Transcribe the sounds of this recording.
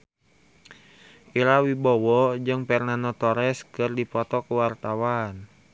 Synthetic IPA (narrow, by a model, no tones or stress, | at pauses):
ʔiɾawibɔwɔd͡ʒɨŋpɛrnanɔt̪ɔɾɛskɨrdipɔt̪ɔkəwart̪awan